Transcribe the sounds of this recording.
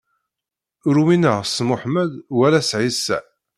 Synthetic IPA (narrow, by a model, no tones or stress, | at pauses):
ʊɾuminəʁsmʊħmæd̪wælæsʕisːæ̰